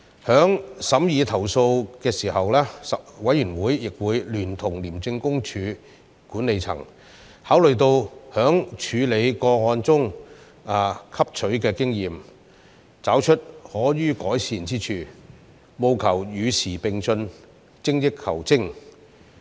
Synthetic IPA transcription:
hœː˨˥ŋsɐ˨˧˥mjiː˨˧t̪ʰɐ˨˩wso˧wkɛː˧siː˨˩hɐ˨wlɛː˥sɐ˨wɐ˨˥jyː˨˩nwuː˨˥jːɪ˨k̚wuː˨˧jlyː˨˩nt̪ʰʊ˨˩ŋliː˨˩mt͡sɪ˧ŋkʊ˥ŋt͡ʃʰyː˨˧ | kuː˨˥nle˨˧jt͡sʰɐ̰˨˩ŋ | haː˨˥wlɵ˨ɥt̪o˧whœː˨˥ŋt͡ʃʰyː˨˧le˨˧jkɔː˧ŋɔː˧nt͡sʊ˥ŋ | aː˨˧kʰɐ˥p̚t͡ʃʰɵ˨˥ɥkɛː˧kɪ˥ŋjiː˨m | t͡saː˨˥wt͡ʃʰɵ˥t̚hɔː˨˥jyː˥kɔː˨˥jsiː˧nt͡siː˥t͡ʃʰyː˧ | mo˧wkʰɐ˨˩wjyː˨˧sʰiː˨˩pɪ˨ŋsɵ˧n | t͡sɪ˥ŋjɪ˥kkʰːɐ̰˨˩wt͡sɪ˥ŋ

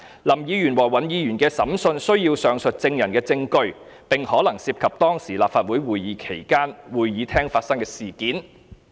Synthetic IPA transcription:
lɐ˨˩mjiː˨˧jyː˨˩nwɔː˨˩wɐ˨˩njiː˨˧jyː˨˩nkɛː˧sɐ̰˨˥msɵ˧nsɵ˥ɥjiː˧wsœː˨ŋsɵ˨t̚t͡sɪ˧ŋjɐ˨˩nkɛː˧t͡sɪ˧ŋkɵ˧ɥpɪ˨˩ŋhɔː˨˥lɐ˨˩ŋsiː˧p̚kʰɐ˨p̚t̪ɔː˥ŋsiː˨˩laː˨p̚faː˧t̚wuː˨˥jwuː˨˩jjiː˨˧kʰe˨˩jkaː˥nwuː˨˩jjiː˨˥t̪ʰɛː˥ŋfaː˧t̚sɐ˥ŋkɛː˧siː˨kiː˨˥n

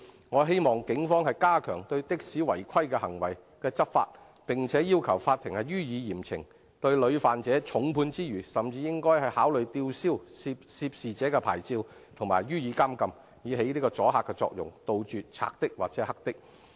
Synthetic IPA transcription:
ŋɔː˨˧ɦe˥jmɔː˨ŋkɪ˨˥ŋfɔː˥ŋɦɐ˨jkaː˥kʰœ̰ː˨˩ŋt̪ɵ˧ɥt̪ɪ˥k̚siː˨˥wɐ̰˨˩jkʰɐ˥jkɛː˧hɐ˨˩ŋwɐ˨˩j | kɛː˧t͡sɐ˥p̚fa̰ː˧t̚ | pɪ˨ŋt͡sʰɛː˨˥jiː˥wkʰɐ˨˩wfaː˧t̪ʰːɪ˨˩ŋhɐ˨jɥyː˥jiː˨˧jiː˨˩mt͡sʰɪ̰˨˩ŋ | t̪ɵ˧ɥlɵ˨˧ɥfaː˨nt͡sɛː˨˥t͡sʰʊ˨˥ŋpʰuː˧nt͡siː˥jyː˨˩sɐ˨mt͡siː˧jɪ˥ŋkɔː˥jhɐ˨jhaː˨˥wlɵ˨ɥt̪iː˧wsiː˥wsi˧psi˧p̚siː˨t͡sɛː˨˥kɛ˧pʰa̰ː˨˩jt͡siː˧w | t̪ʰʊ˨˩ŋmaː˨˩jɥyː˥jiː˨˧kaː˥mkɐ˧m | jiː˨˧ɦe˨˥jliː˥kɔː˧t͡sɔː˨˥ɦaː˨˧kːɛ˧t͡sɔ̰ː˧k̚jʊ̰˨˩ŋt̪o˨˧wt͡ʃyː˨t͡sʰa̰ː˧k̚t̪ɪ˥k̚wa̰ː˨k̚t͡sɛː˨˧˥hɐ˥k̚t̪ɪ˥k̚

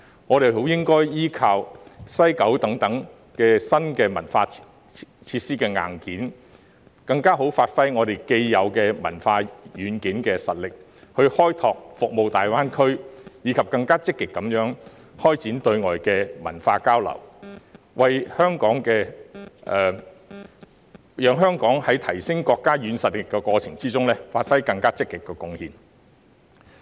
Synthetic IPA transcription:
ŋɔː˨˧ɾe˨˩jho˨˥wjɪ˥ŋkɔː˥jjiː˥kʰaː˧wsɐ˥jkɐ˨˥wt̪ɐ˨˥ŋt̪ɐ˨˥ŋ | kɛː˧sɐ˥nkɛː˧mɐ̰˨˩nfaː˧ | t͡sʰiː˧t̚siː˥kɛː˧ŋa̰ː˨˩nkiː˨˥n | kɐ˧ŋkaː˥ɦo˨˥wfaː˧t̚fɐ˥jŋɔː˨˧t̪e˨jke˧jjɐ˨˧wkɛː˧mɐ̰˨˩nfaː˧jyː˨˧nkiː˨˥nkɛː˧sɐ˨t̚lɪ˨k̚ | hɵ˧ɥhɔː˥jt̪ʰɔː˨k̚fʊ˨k̚mo˨wt̪aː˨jwaː˥nkʰɵ˥ɥjiː˨˧kʰɐ˨p̚kɐ˧ŋkaː˥t͡sɪ˥kːɪ˨kːɐ˨˥mjœː˨˥ŋ | hɔː˥jt͡siː˨˥nt̪ɵ˧ɥŋɔː˨˩jkɛː˧mɐ̰˨˩nfaː˧kaː˥wlɐ̰˨˩w | wɐ˨jhœː˥ŋkɔː˨˥ŋkɛː˧ʔɛ˨˧ | jœː˨˧ŋɦœː˥ŋkɔː˨˥ŋhɐ˨˥jt̪ʰɐ˨˩jsɪ˥ŋkɔː˧kːaː˥jyː˨˧nsɐ˨˩t̚lɪ˨kːɛ˧kɔː˧t͡sʰɪ˨˩ŋt͡siː˥t͡sʊ˥ŋlɛː˥faː˧t̚fɐ˥jkɐ˧ŋkaː˥t͡sɪ˥kːɪ˨kːɛ˧kʊ˧ŋhiː˨˧n

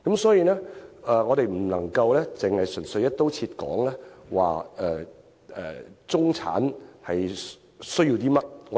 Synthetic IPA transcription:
kɐ˨˦msɔː˨˥jiː˧lɛː˥ɛ˨˧ŋɔː˨˧ɾe˨jm̩˨˩lɐ˨˩ŋkɐ˧wlɛː˥t͡sɪ˨ŋhɐ˨jsɵ˨˩nsɵ˧ɥjɐ˥t̪o˥wt͡sʰiː˧t̚kɔ̰ː˨˥ŋlɛː˥wa̰ː˨ɛː˨˧ | ɛ̰ː˨˩t͡sʊ˥ŋt͡sʰa̰ː˨˥nhɐ˨j | sɵ˥ɥji˧wt̪iː˥mɐ˥t̚

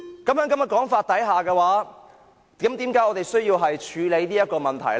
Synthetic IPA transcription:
kɐ˨˥mhœː˨˥ŋkɐ˨˥mjɐ˨˩kɔː˨˥ŋfaː˧t̚t̪ɐ˨˥jɦaː˨kɛː˧waː˨˥ | t̪iː˨˥mt̪iː˨˥mkaː˨˥jɔː˨˧t̪e˨jsɵ˥ɥjiː˧wɦɐ˨jt͡ʃʰyː˨˧le˨˧jniː˥jɐ˥t̚kɔː˧mɐ˨nt̪ʰɐ˨˩j

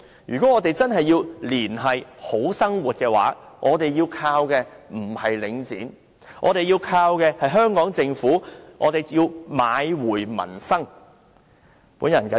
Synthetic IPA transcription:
jyː˨kɔ˨˥ŋɔː˨˧t̪e˨jt͡sɐ˥nɦɐ˨jːiː˧wliː˨˩nɦɐ˨jho˨˥wsɐ˥ŋwuː˨t̚kɛː˧wa̰ː˨˥ | ŋʔɔː˨˧t̪e˨jːiː˧wkʰaː˧wkɛː˧m̩˨˩hɐ˨jlɪ˨˥ŋt͡sḭː˨˥n | ʔɔ̰ː˨˧ɾe˨jiː˧wkʰaː˧wkɛː˧hɐ˨jɦœː˥ŋkɔː˨˥ŋt͡sɪ˧ŋfuː˨˥ŋʔɔ̰ː˨˧t̪e˨jjiː˧wmaː˨˧jwuː˨˩jmɐ̰˨˩nsɐ˥ŋ | puː˨˥njɐ˨˩nkɐ˨˥

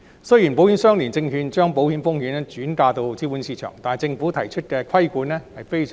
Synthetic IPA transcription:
sɵ˥ji˨˩np̬o˨˥whi˨˥nsœː˥ŋliː˨˩nt͡sɪ˧ŋhyː˧nt͡ʃœː˥ŋpo˨˥whi˨˧˥nfʊ˥ŋhi˨˧˥nɛ˥t͡ʃyː˨˥nkaː˧t̪o˧wt͡siː˥wuː˨˥nsiː˧t͡ʃʰœ̰˨˩ŋt̪aː˨n˨jt͡sɪ˧ŋfu˨˥t̪ʰɐ˨˩jt͡ʃʰɵ˥t̚kɛ˧kʰɐ˥jkuː˨˥nɛ˥hɐ˨jfe˥js

